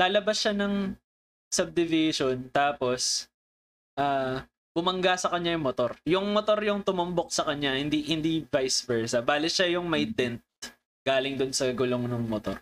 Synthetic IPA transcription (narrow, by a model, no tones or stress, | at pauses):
laːlɐbasʃanɐŋ | sɐb̚d̪ɪvɪʃont̪aːpo̞s | ʔaː | bʊmɐŋɡasɐkɐɲːajʊŋmot̪o̞ɾjʊŋmot̪o̞ɾjʊŋt̪ʊmʊmbok̚sɐkɐɲːahɪnd̪ihɪnd̪ivajsvɛɹsɐbaːlɪʃajʊŋmɐjd̪ɛnt̪̚ | ɡ̥aːlɪŋd̪ʊnsɐɡʊloŋnʊŋmot̪o̰ɾ